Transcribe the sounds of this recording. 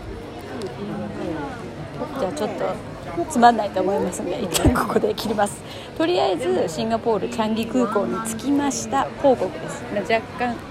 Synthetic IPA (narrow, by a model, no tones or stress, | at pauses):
d͡ʑaːt͡ɕo̞t̪ːo̞ | t͡sɨmanːait̪o̞ːmo̞imasɨnd̪eit̪ːãŋko̞ko̞d̪e̞kʲiɾʲimasɨ̥ | t̪o̞ɾʲiaizɨɕĩŋɡapo̞ːɾɯ̟t͡ɕãŋɡʲikɯ̟ːko̞ːɲ̟it͡sɨ̥kʲimaɕi̥t̪akʰo̞ːko̞kɯ̟d̪e̞sɨ̥mad͡ʑakːãŋ̃